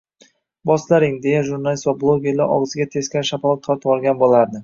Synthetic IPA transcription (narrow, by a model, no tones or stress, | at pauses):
bɒslaɾɪŋd̪e̞jaʒuɾnalisvablˠoɡʲe̞ɾla̰ɾɒ̰ʁzɪɡʲat̪ʰe̞skʲanʃafalˠɒt̪̚qʰɑɪt̪ɒɾˠɡʲanbolˠaɾd̪ɪ